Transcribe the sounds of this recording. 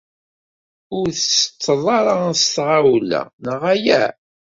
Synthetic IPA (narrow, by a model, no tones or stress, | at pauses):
ʊɾθəsə̥t͡sːəðˤɑɾˤɑst̪ʁawlæ̰nəʁæjæ̰